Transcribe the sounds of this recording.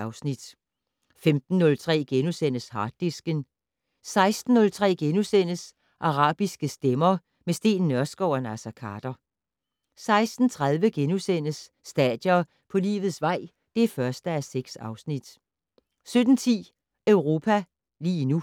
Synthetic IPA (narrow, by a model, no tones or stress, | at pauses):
ʊsnid̥ | femd̥n̩ːɔ̽lt͡sʰʁɛ̰ːɡ̥enusen̰əshɑ̈ːd̥isɡ̥ən | sɑ̈ɪsd̥n̩ːɔ̽lt͡sʰʁɛ̰ːɡ̥enusen̰əs | ʔɑ̈ʁɑ̰̈ːb̥isɡ̥əsd̥emɐ | mesd̥e̝̰ːnːɶɐsɡ̥ɒʊɐnæsɐkʰɑ̈ːd̥ɐ | sɑ̈ɪsd̥n̩t͡sʰʁɑ̈ð̞ˠʋəɡ̥enusen̰əsː | d̥ɛ̰d̥jɐ | pʰɒ̽lḭːʋð̩ˠsʋɑ̈ɪ̰ | d̥e̝æɐfɶɐsd̥əæseɡ̥sɑ̈ʊsnid̥ | sød̥n̩t͡sʰḭː | øʊʁo̝ːpʰæ | lḭːnu